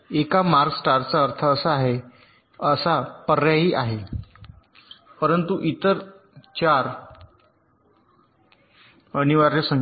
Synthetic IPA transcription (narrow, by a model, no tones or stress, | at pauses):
ekamaɾksʈaɾt͡saəɾt̪ʰəːsaːɦe | əsapəɾːjaɦiːʔaɦe | pəɾənt̪uʔit̪əɾ | t͡ɕaɾ | əniʋaɾjesəŋ